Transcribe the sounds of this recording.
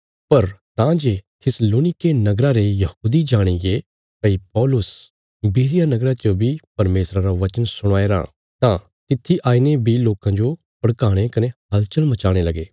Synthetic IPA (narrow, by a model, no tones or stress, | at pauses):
pɐɾt̪ãd͡ʒet̪ʰɪsloːnɪkenɐɡɾaɾejɐhuːd̪id͡ʒaːɽ̃iɡe | kɐipɔːlʊs | biːɾɪjanɐɡɾat͡ʃobʱipɐɾmeːsɾãɾaʋɐt͡ʃənsʊɽ̃aːeɾã̰ː | t̪ã | t̪ɪt̪ʰːiʔaːinebʱiloːkãd͡ʒo | pɐɽkaːɽ̃ekɐneɦɐlt͡ʃəlmɐt͡ʃaːɽ̃elɐɡeː